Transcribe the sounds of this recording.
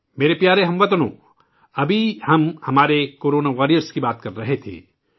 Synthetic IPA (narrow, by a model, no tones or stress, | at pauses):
meːɾepjaːɾeɦɐmʋɐt̪ənõ̰ː | ɐbʱihɐmhɐmaːɾekoːɾoːnaʋaːɾijəɾskibaːt̪kɐɾːɐɦet̪ʰḛː